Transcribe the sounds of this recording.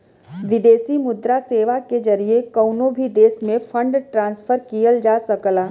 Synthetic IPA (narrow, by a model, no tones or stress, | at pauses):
ʋɪd̪eːsimʊd̪ɾaseːʋaked͡ʒɐɾiekɐːnoːbʱid̪eːsmẽfʰɐ̃ɳɖʈɾãːnsfʰəɾkijəld͡ʒaːsɐklaː